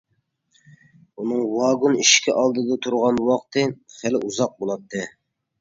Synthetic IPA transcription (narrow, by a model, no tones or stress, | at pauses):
unɨŋwɑɡuniʃkʲʰiʔɑlˠd̪ɨd̪ɑt̪ʰuɾʁɑnwɑqt̪ʰɨχælɪʔuzɑq̚bolˠɑt̪ʰːɨ